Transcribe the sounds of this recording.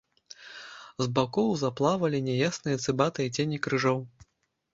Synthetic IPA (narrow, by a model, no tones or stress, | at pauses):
zbakɔwzaplˠavɐlʲinʲɛjasnɨjɐt̪sɨbat̪ɨit͡sʲenʲikɾɨʐɔw